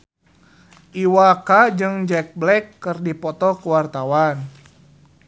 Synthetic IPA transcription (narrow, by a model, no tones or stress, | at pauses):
ʔiwakad͡ʒɨŋd͡ʒɛk̚blɛkːɨrdipɔt̪ɔkəwart̪awan